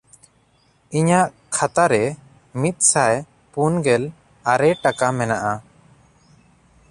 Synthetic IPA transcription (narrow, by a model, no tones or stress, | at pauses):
iɲaʔ | kʰat̪aɾɛ | mit̪̚ˀsaj | punɡɛl | aɾɛʈakamɛnaʔa